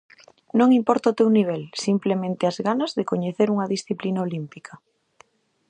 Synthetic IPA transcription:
nõŋimpɔɾt̪aot̪ewniβ̞ɛlsimplemẽnt̪ɪazɣanɐzðekoɲeθeɾuŋɐðisθiplinaolimpikʰɐ

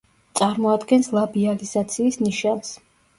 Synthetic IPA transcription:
t̪sʼaɾmɔad̪ɡɛnslˠabializ̥at̪sʰiːsniʃans

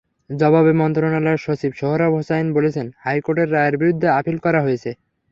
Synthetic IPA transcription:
d͡ʑɔbabemɔnt̪ɾonalaeʃot͡ɕʰibʃoɦoɾabɦosaenbolet͡ɕʰenhajkoʈeɾːaeeɾbiɾud̪ʱːeapilkɔɾaɦojet͡ɕʰe

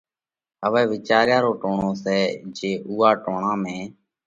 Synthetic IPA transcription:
əʋɛːʋɪt͡ʃaːɾjaːɾoːʈoːɳõːsɛːd͡ʒeːʔuːaːʈoːɳãːmẽː

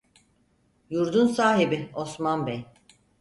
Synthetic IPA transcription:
juɾd̪unsaːɦibiosmanbej

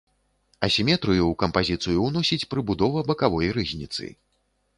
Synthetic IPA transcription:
ɐsʲimʲɛt̪ɾɨjuwkɐmpazʲit̪sɨjuwnɔsʲit͡sʲpɾɨbud̪ɔvɐbɐkavɔjrɨzʲnʲit̪sɨ̰

